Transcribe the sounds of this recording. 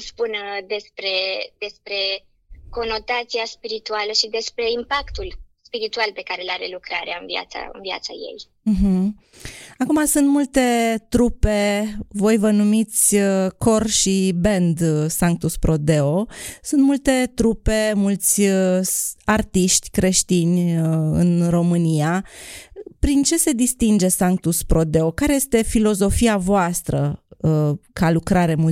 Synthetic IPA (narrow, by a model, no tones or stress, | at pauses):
spund̪e̞spɾe̞d̪e̞spɾe̞ | ko̞no̞t̪at̪siaspiɾit̪ualəʃid̪e̞spɾe̞impakt̪ulspiɾit̪ualpe̞kaɾelaɾelukɾaɾeaɨnvia̰t̪sa̰ɨ̰nvia̰t̪saje̞̰j | m̩ɦm̩ | akumasunt̪mult̪e̞t̪ɾupe̞vo̞jvənumit̪sʲəkʰo̞rʃibe̞nd̪saŋk̚t̪uspɾo̞d̪e̞o̞sunt̪mult̪e̞t̪ɾupe̞mult̪sʲ | art̪iʃt̪ʲkɾe̞ʃt̪inʲɨ̰nro̞mɨnia | pɾint͡ʃe̞se̞d̪ist̪ind͡ʒe̞saŋkt̪uspɾo̞d̪e̞o̞kaɾeje̞st̪e̞filo̞zo̞fiavoast̪ɾə̰ | kalukɾaɾe̞mu